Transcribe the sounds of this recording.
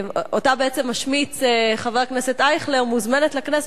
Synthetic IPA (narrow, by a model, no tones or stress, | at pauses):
otabeet͡semaʃmit͡seχaveʁkneset̪ajχleʁmuzmenet̪laknes